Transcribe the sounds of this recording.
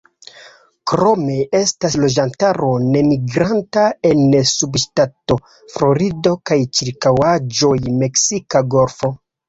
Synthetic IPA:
kɾo̞me̞ʔe̞staslo̞d͡ʒantaɾo̞ne̞miɡɾantae̞nsubʃtato̞ | fɾo̞ɾido̞kajt͡ʃiɾkawad͡ʒo̞jme̞ksikaɡo̞ɾfo̞

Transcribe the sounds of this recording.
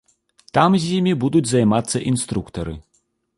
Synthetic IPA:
t̪amzʲjimʲibud̪ud͡zʲzajmat̪sːɐʔinst̪ɾukt̪ɐɾɨ̰

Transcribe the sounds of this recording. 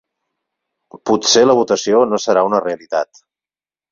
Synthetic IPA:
putseləβut̪əsionosəɾaunəreəlit̪a̰t̪

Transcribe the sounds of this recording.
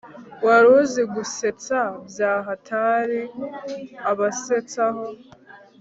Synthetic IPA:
waɾuziɡuse̞t͡sabjaːɦatʰaɾi | aβaset͡saho

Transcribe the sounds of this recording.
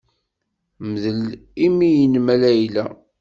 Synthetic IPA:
məðəlimijnmælæjlæ

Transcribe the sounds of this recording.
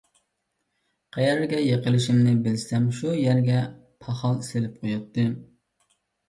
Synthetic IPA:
qʰæjɛɾɡʲɛjeqəlˠɨʃɪmnɪbɪlsɛmʃujæɾɡʲɛ | pʰɑχɑlˠselɪp̚qʰojɑt̪ːɨ

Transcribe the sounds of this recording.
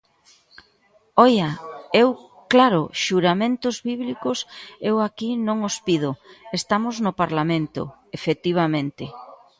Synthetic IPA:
ɔjaew | klaɾʊ̰ʃuɾamẽnt̪ʊzβiβlikʊsewakinõŋospið̞ʊest̪amoznʊpaɾlamẽnt̪ʊ̰ | efet̪iβ̞amẽnt̪ɪ

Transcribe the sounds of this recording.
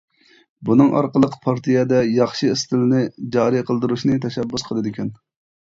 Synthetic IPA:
bunɨŋʔɑ̰ɾqəlˠəqpʰɑɾt̪ʰijɛd̪ɛjɑχʃist̪ʰɪlnɪd͡ʒɑːɾiqʰəlˠd̪ɨɾuʃnɨt̪ʰɛʃɛbːusqʰəlˠɨd̪ɪkʲɛn

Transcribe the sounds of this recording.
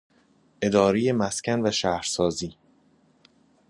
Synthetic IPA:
ʔe̞d̪ɒːɾejemæscʰænvæʃæːhɾsɒːziː

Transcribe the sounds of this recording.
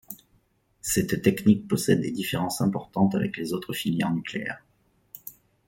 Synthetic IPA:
sɛt̪ːɛknik̚pɔsɛd̪ːed̪ifeʁɑ̃sɛ̃pɔʁt̪ɑ̃t̪avɛ̰klezot̪χəfiljɛ̰nyklḛɛ̰ʁ

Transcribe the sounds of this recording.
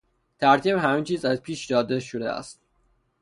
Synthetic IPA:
t̪ʰæɾt̪ʰibhæmiːnt͡ʃʰiːzæzpʰiːʃd̪ɒːd̪eʃod̪ḛæ̰st̪

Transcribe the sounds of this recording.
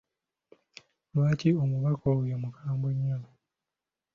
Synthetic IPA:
lwaːciomuβakowjomukʰaːmboɲːola

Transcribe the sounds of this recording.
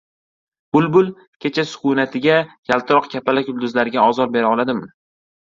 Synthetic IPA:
b̥ʊlbʊlˠ | kʲʰe̞t͡ʃʰasʊ̥χʊnat̪ʰɪɡʲajʲʰalˠt̪ʰɾɒqkʲʰapʰalakʲʊlˠd̪ʊzlaɾɪɡʲaɒzɒɾbe̞ɾaɒlˠad̪ɪmɪ

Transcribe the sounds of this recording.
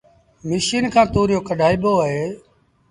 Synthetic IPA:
mɪsiːnkʰãːt̪oːɾjoːkəɖʱaːiːɓoːɦeː

